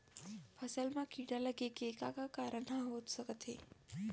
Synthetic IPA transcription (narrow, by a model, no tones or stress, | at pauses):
pʰəsəlmãkiɽaləɡekekakakaɾəɳãɦod̪səkət̪ʰe